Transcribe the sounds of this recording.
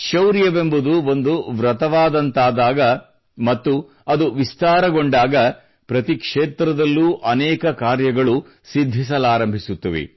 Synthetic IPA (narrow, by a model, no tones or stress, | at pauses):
ʃɐwɾjɐʋembud̪uʋo̞nd̪uʋɾɐt̪ɐʋaːd̪ɐnt̪aːd̪aːɡɐ | mɐt̪ːu | ɐd̪uʋist̪aːɾɐɡo̞ɳɖaːɡɐ | pɾɐt̪ikʂeːt̪ɾɐd̪ɐlːuːʔɐnɛːkɐkaːɾjɐɡɐɭu | sid̪ʱːis̬ɐlaːɾɐmbʱisut̪ːɐʋḭ